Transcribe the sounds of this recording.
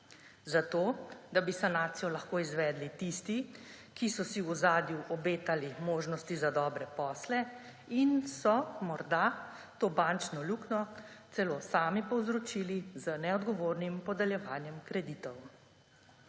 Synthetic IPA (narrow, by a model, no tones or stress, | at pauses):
zat̪oːd̪abisanaːt̪sijɔlɐxkoːizʋɛːd̪lit̪ist̪i | kisɔsiuzaːd̪juʔɔbeːt̪alimoːʒnɔst̪izad̪ɔːbɾɛpɔːslɛ | insɔmɔɾd̪a | t̪oːbaːnt͡ʃnɔluːknɔ | t̪sɛloːsaːmipɔwzɾɔt͡ʃiːlizənɛɔd̪ɡɔʋoːɾnimpɔd̪ɛljɛʋaːnjɛmkɾɛd̪it̪ɔw